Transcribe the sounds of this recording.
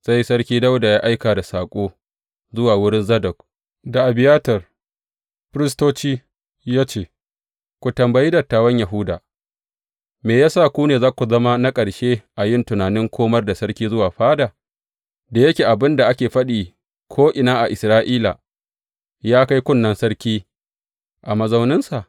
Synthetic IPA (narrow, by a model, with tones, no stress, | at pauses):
sa˦jsɐ˦ɽkʲiː˦da˦wda˨jaː˦ʔa˦jkaː˨da˨saː˨kʷʼoː˦ | zʊ˦waː˨wʊ˦ɽɪ˦nzɐ˦dɐ˨k̚ | da˨ʔa˨bɪ˨jaː˦tɐ˨r | ɸɪ˦ɾɪ˦s̬toː˦t͡ʃiː˦ | jaː˦t͡ʃeː˦˨ | kʷu˨tɐ˨mbɐ˨ji˦dɐ˨tːaː˨˦wɐ˦ɲja˨ɦʊ˦da̰ː˨ | meː˨jaː˦saː˦˨kʷuː˦neː˨zaː˦kʷu˨zɐ˦ma˦na˦kʼɐ˨ɽʃe˦ʔa˨jɪ˦˨ntʊ˨naː˨nɪ˦ŋkʷʰoː˦mɐ˦rda˨sɐ˦ɽkʲiː˦zʊ˦waː˨ɸaː˦da˨ | da˨jɐ˦kʲeː˨ʔa˨bɪ˦nda˨ʔa˦kʲeː˨ɸɐ˦ɗiː˨ | kʷʰoː˦ʔɪ˨naː˦ʔa˨ʔɪ˨sɾaː˦ʔiː˦la̰˨ | jaː˦ka˦jkʷʊ˦nːɐ˨nsɐ˦ɽkʲiː˦ | ʔa˨mɐ˨zɐ˦wnɪ˦nsa˨ʔ